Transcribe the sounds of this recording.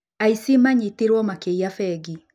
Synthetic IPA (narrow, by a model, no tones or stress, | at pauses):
aisimaɲitiɾwɔmakejafɛɡi